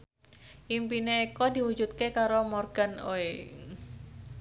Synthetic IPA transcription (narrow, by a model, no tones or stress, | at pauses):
ʔimpineːkɔdi̤wu̥d͡ʒut̪̚kekaɾomɔrɡ̥a̤noe